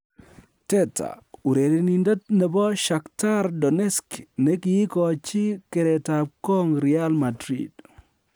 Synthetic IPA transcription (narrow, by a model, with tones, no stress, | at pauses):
tɛ˦tʰa̰˨u˨ɾe˨ɾi˨ni˨ndɔ˦t̚nɛ˨bɔ˦ʃa˨kta˦ɾdɔ˨nɛ˦skne˦kiː˨˦kɔ˨t͡ʃi˦ke˨ɾɛ˨ta˨p̚kɔ˦ŋɾi˨a˦lma˨dɾḭd